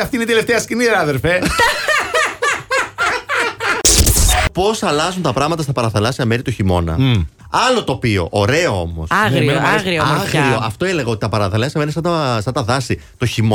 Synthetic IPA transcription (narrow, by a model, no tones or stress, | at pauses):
ɐft̪ineit̪eleft̪eɐsciniɾɐðeɾfe | po̞sɐlɐzunt̪ɐpɾɐɣmɐt̪ɐst̪ɐpɐɾɐθɐlɐsiɐmeɾit̪oçimo̞nɐ̰ | ɐlo̞t̪o̞pio̞̰ʔoɾe̞oo̞̰mo̞̰sɐɾiaɣɾiɣɾio̞ɐft̪o̞eleɣɐo̞t̪it̪ɐpɐɾɐθɐlɐsjɐmenes̬ɐnɐsɐnt̪ɐðɐsi | t̪oçimo